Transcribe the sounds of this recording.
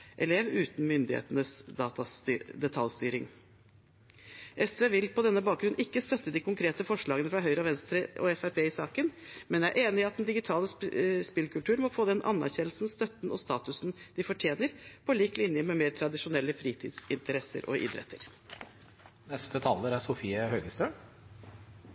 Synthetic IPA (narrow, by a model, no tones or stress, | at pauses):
ʔɛleːʋʉːt̪n̩mʏnd̪ɪhḛːt̪ənəsd̪ɑːt̪ɑd̪ɛt̪ʰɑlst̪yːɾɪŋ | ʔɛsʋeːʋɪlpɔd̪ɛnːəbɑːk̚ɡɾʉnʔɪkːəst̪œt̪ːəd̪ikʰʊŋkʰɾeːt̪əfɔʂɭɑːɡənəfɾɑɦœʏɾəɑʋɛnst̪ɾəʔɔ̰ɛfæɾpʰeːɪsɑːkənmɛnjææɾʔeːnɪɑt̪̚d̪ɛnd̪ɪɡɪt̪ʰɑːləspɪlkʉlt̪ʉːɾmɔfoːd̪ɛnʔɑ̰nːæ̰ɾçɛnl̩sn̩st̪œt̪nɔst̪ɑːt̪ʉsn̩d̪̥ɪfɔʈʰjeːnəɾpʰɔliːklɪnjəmɛmeːɾt̪ʰɾɑd̪ɪʂʊnɛlːəfɾiːt̪ʰḭːd̪sɪnt̪əɾɛsːə̰ɾʔɔ̰ʔɪ̰d̪ɾɛ̰t̪ʰːə̰ɾ | nɛst̪ət̪ʰɑlːəɾæsʊfiːəhøːɡəst̪øːɳ